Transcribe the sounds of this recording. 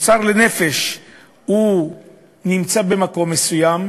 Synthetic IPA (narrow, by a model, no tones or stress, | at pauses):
t͡saʁlene̞fe̞ʃ | hu | nimt͡sabe̞mako̞mːe̞sujam